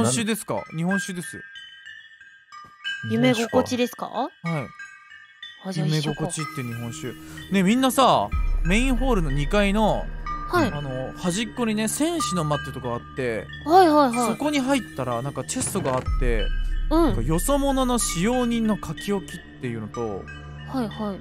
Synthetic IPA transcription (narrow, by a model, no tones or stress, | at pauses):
õɕɨːd̪e̞sɨ̥ka̰ɲ̟ihõ̞ɰ̃ɕɨːd̪e̞sɨjo̰ | jɯmeɡokot͡ɕid̪e̞sɨ̥ka̰hai | jɯme̞ɡoko̞t͡ɕit̪ːeɲ̟iɦõ̞ɕɨːne̞mʲĩnːasamẽ̞ĩɰ̃ɦo̞ːɾɯ̟no̞ɲ̟ikaino̞haiano̞haʑikːo̞ɲ̟ine̞sẽ̞ɰ̃ɕino̞mat̪ːet̪okaat̪ːe̞ | haihaiɦaso̞ko̞ɲ̟iɦait̪ːaɾanãŋkat͡ɕe̞st̪oɡaːt̪ːe̞̰ñãkajo̞so̞mo̞no̞no̞ɕijo̞ːɲ̟ĩnːo̞kʰakʲio̞kʲit̪ːe̞jɯ̟no̞t̪o̞̰ | haihai